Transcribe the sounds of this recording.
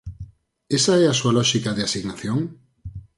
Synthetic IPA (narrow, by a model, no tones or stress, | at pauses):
esaɛasualɔʃikaðɪasiɣnaθjoŋ